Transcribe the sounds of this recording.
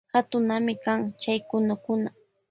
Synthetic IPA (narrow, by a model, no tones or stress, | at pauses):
hat̪ʊnamɪkaŋt͡ʃajkʊnʊkʊna